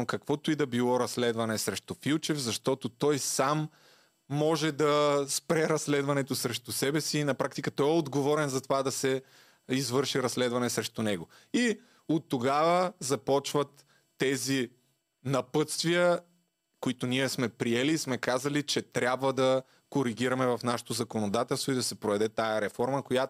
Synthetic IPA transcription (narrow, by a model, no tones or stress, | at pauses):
kɐkvɔt̪ʊid̪ɐbilˠɔɾɐslɛd̪vɐnɛsɾɛʃt̪ʊfilˠt͡ʃɛfzɐʃt̪ɔt̪ot̪ɔjsamː | ɔʒɛd̪ɐspɾɛɾɐsːlɛd̪vɐnɛt̪ʊsɾɛʃt̪ʊsɛbɛsiːnɐpɾak̚t̪ikət̪ɔjɛod̪ɡovɔɾɛnzɐt̪ovad̪ɐsɛ | izvɤɾʃiɾɐslɛd̪vɐnɛsɾɛʃt̪unɛɡo | i | ot̪ːoɡavəzɐpɔt͡ʃvɐt̪ː | ɛzi | nɐpɤt̪st̪vijə | koit̪ʊniɛsmɛpɾiɛliːsmɛkazɐlit͡ʃɛt̪ɾʲjabvəd̪ɐ | koɾiɡ̟ʲiɾɐmɛvɐfnaʃɛ̥t̪ozɐkonod̪at̪ɛlˠst̪void̪ɐsɛpɾovɛd̪ɛt̪ajɐɾɛfɔɾməkojat